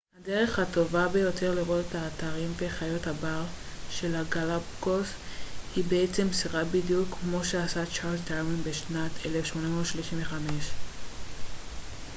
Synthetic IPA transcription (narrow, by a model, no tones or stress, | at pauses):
hadeʁe̞χhato̞vabejo̞tʰe̞ʁliʁo̞tetaːtaʁimve̞χajo̞thabaʁʃe̞laɡalabɡos | hibeet͡se̞msiʁabidjukːmo̞ʃeasat͡ʃaʁtaʁmiŋbeʃnatʰelefʃmo̞namoʃliʃimveχame̞ʃ